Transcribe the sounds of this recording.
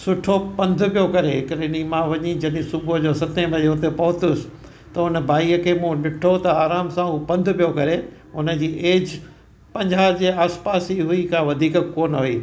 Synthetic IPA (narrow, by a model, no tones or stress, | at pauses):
sʊʈʰopɐ̃nd̪ʱʊ̆pijokɐɾeɦɪkəɾenimãʋɐɲid͡ʑɐɗɪ̃sʊbʊd͡ʑoːsɐt̪ẽbʱɐd͡ʑeɦʊt̪epɐɦʊt̪ʊsɪ̥ | t̪ɐʊnəbʱaːiːəkʰeːmũɗɪʈʰot̪ɐaːɾaːmsãupɐ̃nd̪ʱʊ̆pijokɐɾe | ʊnə̆d͡ʑiːʔeːd͡ʑ | pɐ̃ɲd͡ʑaːd͡ʑeːaːspaːsiɦuikʰãːʋɐd̪ʱiːkkoːnɦʊḭː